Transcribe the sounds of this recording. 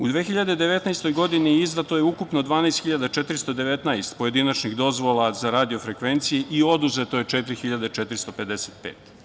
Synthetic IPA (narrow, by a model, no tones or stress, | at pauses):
ud̪ʋeːxiʎad̪e̞d̪e̞ʋet̪najst̪o̞jɡo̞d̪iniizd̪at̪o̞je̞ukupno̞d̪ʋaːnajst̪xiʎad̪at͡ʃet̪ɾist̪od̪e̞ʋet̪najst̪po̞je̞d̪inat͡ʃniɣd̪o̞zʋo̞lˠazaɾaːd̪io̞fɾe̞kʋe̞nt̪sijeʔio̞d̪uze̞t̪o̞jet͡ʃet̪ɾixiʎad̪e̞t͡ʃet̪ɾist̪o̞pe̞d̪eseːt̪pḛːt̪